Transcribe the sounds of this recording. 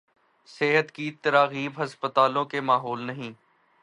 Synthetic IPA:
seɦət̪kit̪ɐɾaːɣiːbɦɐspət̪aːlõkemaːɦoːlnɐɦĩː

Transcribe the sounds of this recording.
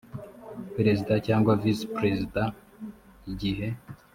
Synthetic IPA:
peɾezidacaːŋɡwavispɾezida | iɟiɦe̞

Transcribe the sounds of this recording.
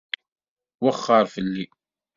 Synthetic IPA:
waχːəɾˤfəlːi

